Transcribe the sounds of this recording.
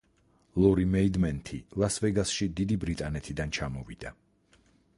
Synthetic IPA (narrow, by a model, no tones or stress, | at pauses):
lˠɔɾimɛid̪mɛnt̪ʰilˠasvɛɡasʃid̪id̪ibɾit̪ʼanɛt̪ʰid̪ant͡ʃʰamɔvid̪̥a